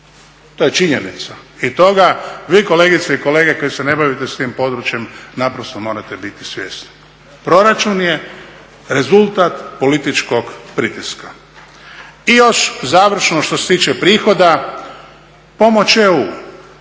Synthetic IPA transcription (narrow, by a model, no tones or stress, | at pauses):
t̪ojet͡ʃiɲenit̪sait̪o̞ɡaʋiːko̞le̞ːɡit̪seiko̞le̞ːɡeko̞jesene̞baʋit̪est̪iːmpo̞d̪ɾut͡ʃje̞mnapɾost̪omo̞ːɾat̪e̞bit̪isʋje̞̰st̪ni̥ | pɾo̞ɾat͡ʃunje̞ | ɾe̞zulˠt̪at̪po̞lit̪it͡ʃko̞ɡpɾit̪iska | ijo̞ʃzaːʋr̩ʃnoʃt̪o̞set̪iːt͡ʃepɾiːxo̞d̪a | po̞mo̞t͡ʃeuː